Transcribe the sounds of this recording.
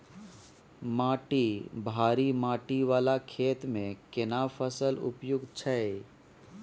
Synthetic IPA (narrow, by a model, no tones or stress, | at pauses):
maːʈibʱaːɾimaːʈiʋaːlakʰeːt̪mẽkɪnaːfʰəsəlʊ̰pjʊɡt͡ʃʰəe